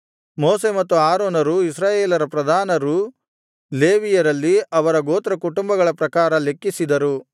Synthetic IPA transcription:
moːse̞ːmɐt̪ːuaːɾoːnɐɾuisɾaːjeːlɐɾɐpɾɐd̪ʱaːnɐɾu | le̞ːʋijɐɾɐlːiɐʋɐɾɐɡoːt̪ɾɐkuʈumbɐɡɐɭɐpɾɐkaːɾɐle̞kːisid̪ɐɾu

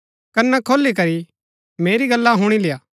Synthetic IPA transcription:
kɐnːɛkʰoːlik̬ɐɾi | meːɾiɡɐlːaɦʊɽ̃ilɪjaː

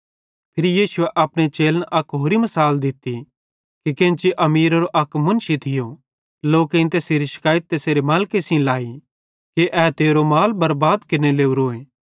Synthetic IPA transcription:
pʰɪɾijiːʃʊeʔɐːpɽ̃et͡ʃeːlnʔɐkɦoːɾimɐsaːld̪ɪt̪ːi | kikẽt͡ʃiʔɐmiːɾɐɾoʔɐkmɐnʃit̪ʰɪjo | loːkeĩnt̪eːseːɾiʃɐ̥kaːjət̪̚ːeːseːɾemaːlkesĩlaːi | keʔɛːt̪eːɾomaːlbɐɾbaːd̪kɪneleːuɾoːẽː

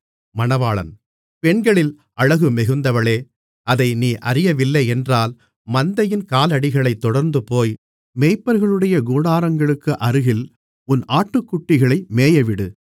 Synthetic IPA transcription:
mɐnɐʋaːɭɐ̰n | pɛɳɡɐɭɪl | ɐɻɐɣɯmɛɣɯnd̪ɐʋɐɭeː | ɐðɐɪniːʔɐɾɪjɐʋɪlːɐɪɛndraːl | mɐnd̪ɐjɪnkaːlɐɽɪɣɐɭɐɪt̪ːɔɽɐɾnd̪ɯpoːj | mɛɪpːɐɾɣɐɭɯɽɐjɐɡuːɽaːɾɐŋɡɐɭɯkːɯʔɐɾɯɣɪl | ʊnʔaːʈːɯkːʊʈːɪɣɐɭɐɪmeːjɐʋɪɽɯ

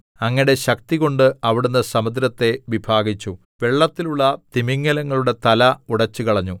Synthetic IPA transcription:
ɐŋːɐɽe̞ɕɐk̚t̪iɣo̞ɳɖɨɐʋiɽunːɐsɐmɐd̪ɾɐt̪ːe̞ʋibʱaːɡit͡ɕːu | ʋe̞ɭːɐt̪ːiluɭːɐt̪imiŋːɐlɐŋːɐɭuɽe̞t̪ɐlɐuɽɐt͡ɕːukɐɭɐɲːu

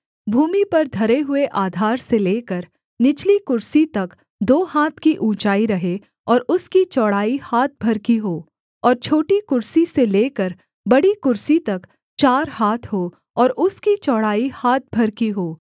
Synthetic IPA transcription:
bʱuːmipɐɾd̪ʱɐɾeɦʊeʔaːd̪ʱaːɾseleːkəɾ | nɪt͡ʃlikʊɾsit̪ɐk | d̪oːhaːt̪ʰkiʔũːt͡ʃaːiɾɐɦe | ɔːɾʊskit͡ʃɔːɽaːihaːt̪̚ʰbʱɐɾkiɦoː | ɔːɾt͡ʃʰoːʈikʊɾsiseleːkəɾ | bɐɽikʊɾsit̪ɐk | t͡ʃaːɾhaːt̪ʰɦoː | ɔːɾʊskit͡ʃɔːɽaːihaːt̪̚bʱɐɾkiɦoː

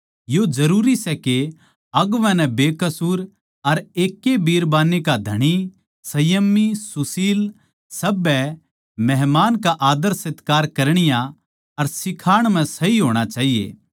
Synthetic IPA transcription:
jod͡ʒɐɾuːɾisɛke | ɐɡʋɛ̃nɛ̃beːkɐsuːɾ | ɐɾeːkːebiːɾbaːnːekad̪ʱɐɽ̃i | sɐjəmːisʊsiːl | sɐbːɛ | mɛɦmaːnkaʔaːd̪əɾsɪt̪kaːɾkɐɾɽ̃ɪjã | ɐɾsɪkʰaːɽ̃m̤ɛ̃sɐiɦoːɽ̃at͡ʃaːɦijḛː

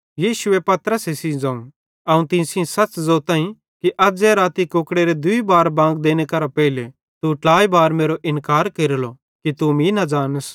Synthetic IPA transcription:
jiːʃʊepɐt̪əɾəsesid͡ʒãːũ | ɐũt̪ɪ̃ːsiõsɐt͡ʃzoːt̪ãːĩ | kiʔɐd͡zɛɾaːt̪ikoːkɽeɾed̪ʊibaːɾbãːŋɡd̪eːñekɐɾapɛile | t̪uʈaːibaːɾmeːɾoʔɪ̃nkaːɾkeːɾlo | kit̪umĩnɐd͡ʒaːnəs

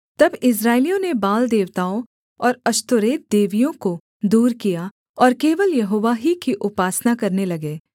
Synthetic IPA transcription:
t̪ɐbɪs̬ɾaːelijõnebaːld̪eːʋt̪aːõ | ɔːɾɐʃt̪ʊɾeːt̪̚d̪eːʋijõko | d̪uːɾkija | ɔːɾkeːʋəljɐɦoːʋaɦikiʔʊpaːsnakɐɾnelɐɡeː

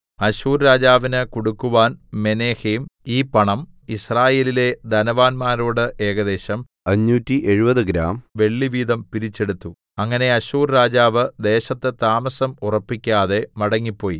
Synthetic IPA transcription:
ɐɕuːɾɾaːd͡ʑaːʋinɨkoɽukːuʋaːnme̞neːhejmiːpɐɳɐmisraːje̞ːlile̞d̪ɐnɐʋaːnmaːɾuːɽɨʔe̞ːɡɐd̪e̞ːɕɐm | ɐɲːuːtːiʔe̞ɻubɐðɨɡɾa̰ːmʋe̞ɭːiʋiːd̪ɐmpiɾit͡ɕːe̞ɽut̪ːu | ɐŋːɐne̞ɐɕuːrɾaːd͡ʑaːʋɨd̪e̞ːɕɐt̪ːɨt̪aːmɐsɐmurɐpːikʲːaːðe̞mɐɽɐŋːipːo̞ːji

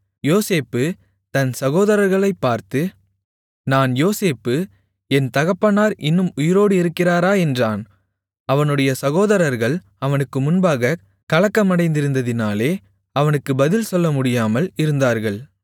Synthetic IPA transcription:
joːseːpːɯ | t̪ɐnsɐɣoːðɐɾɐɾɣɐɭɐɪpːaːɾt̪ɯ | naːnjoːseːpːɯ | ɛnt̪ɐɣɐpːɐnaːɾɪnːɯmʊjɪɾoːɽɯɪɾɯkːɪraːɾaːɛndraːn | ɐʋɐnɯɽɐjɐsɐɣoːðɐɾɐɾɣɐɭ | ɐʋɐnɯkːɯmʊnbaːɣɐ | kɐɭɐkːɐmɐɽɐɪnd̪ɪɾɯnd̪ɐðɪnaːleː | ɐʋɐnɯkːɯbɐðɪlsɔlːɐmʊɽɪjaːmɐlɪɾɯnd̪aːɾɣɐɭ

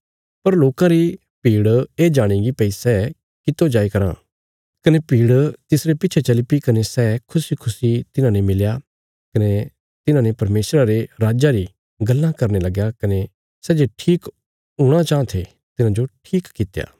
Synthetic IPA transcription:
pɐɾloːkãɾi | piːɽeːd͡ʒaːɽ̃ĩɡipɛisɛ | kɪt̪ːod͡ʒaːikɐɾã̰ | kɐnepiːɽt̪ɪsɾepɪːt͡ʃʰet͡ʃɐlipikɐnesɛkʰʊsikʰʊsit̪ɪnãːnemɪlja | kɐne | t̪ɪnãnepɐɾmeːsɾaɾeɾaːd͡ʒaɾi | ɡɐlːãkɐɾnelɐɡjakɐne | sɛːd͡ʒeʈʰiːk | ɦʊ̃ɽ̃at͡ʃãːt̪ʰe | t̪ɪnãd͡ʒoʈʰiːkːɪt̪ja̰ː

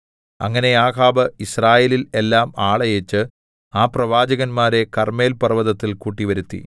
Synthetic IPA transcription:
ɐ̰ŋːɐne̞aːkʰaːbɐisraːjeːlile̞lːaːmaːɭɐjet͡ɕːɨ | aːprɐʋaːd͡ʑɐɣɐnmaːɾe̞kɐrme̞ːlpɐrʋɐðɐt̪ːilkuːʈːiʋɐɾut̪ːḭ

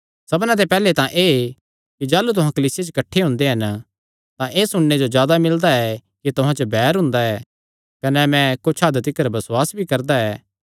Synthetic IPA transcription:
sɐbnãt̪̬epɛːlet̪ãʔeː | kid͡ʒaːlut̪̬ʊɦãkɐliːsɪjet͡ʃkɐʈʰːeɦʊ̃nd̪eɦɐn | t̪ãʔeːsʊɽ̃ned͡ʒod͡ʒjaːd̪amɪld̪aɛkit̪ʊɦãt͡ʃəbʱɛːɾɦʊ̃nd̪aɛː | kɐnɛmɛ̃kot͡ʃʰaːd̪t̪ɪkːəɾbɐswaːsbʱikɐɾd̪aɛː

